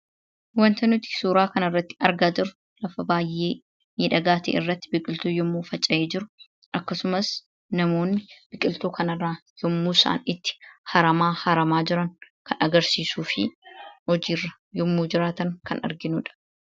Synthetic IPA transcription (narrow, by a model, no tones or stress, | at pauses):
wɐnt̪ɐnʊt̪ɪ̥suːɾaːkɐnɐrːɐt̪ːɪ̥ɐɾɡaːd͡ʒ̪ɪɾʊ | lɐfɐbaːjʔeː | miːᶑɐɡaːt̪ḛːɪrːɐt̪ːɪbɪkʼɪlt̪oːjɔmːuːfɐt͡ʃʼːɐjeːd͡ʒɪɾʊ | ʔɐkːɐsʊmɐs | nɐmo̞ːnːɪb̥ɪkʼɪlt̪uːkʰɐnɐrːaːjɔmːuːsɐ̰ʔɐ̰nɪt̪ːɪ̥hɐɾɐmaːhɐɾɐmaːd͡ʒɪɾɐŋkɐnɐɡɐɾsiːsuːfɪ̰hɔd͡ʒiːrːɐ | jɔmːuːd͡ʒɪɾaːt̪ɐŋkɐnɐ̰ɾɡɪnuːᶑɐ̥